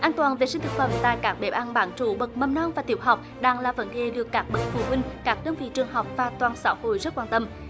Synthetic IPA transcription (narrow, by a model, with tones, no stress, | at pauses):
ʔaː˧nt̪waː˨˩nve˨˩si˧ŋ̟t̪ɨ˨˩k̚fə̰˧˩˦mt̪a̰ː˧˨jkaː˦˥k̚ɓe˧˩p̚ʔa˧nɓa̰ː˧˨˦nt͡ɕu˧˩ɓə˨˩k̚mə˧mnɔ˧nvaː˨˩t̪i˧˩əw̚ɦa˨˩wk͡p̚ɗaː˧˩ŋlaː˨˩və̰˧˥nɗe˧˨˩lɨ˨˩əkːaː˦˥k̚ɓə˦˥t̚fṵ˧˩ɦwï˧ŋ̟kaː˦˥k̚ɗəː˧nvḭ˧˨t͡ɕɨ˨˩əŋɦɔ˨˩wk͡p̚vaː˨˩t̪waː˨˩nsa̰ː˧˦who̰˧˨jzə˦˥t̚kwaː˧nt̪ə˧m